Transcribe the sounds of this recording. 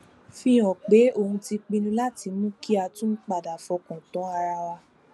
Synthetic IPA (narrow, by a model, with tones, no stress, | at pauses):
fĩ˧ɔ̃˨k͡pe˨˦o˧˨hũ˧ti˧k͡pĩ˧nũ˧˦la˦ti˧˦mũ˦ki˦a˧tũ˦k͡pa˨da˨fɔ˨˧kɔ̃˨tɔ̃˨˦a˧ɾa˧wa˧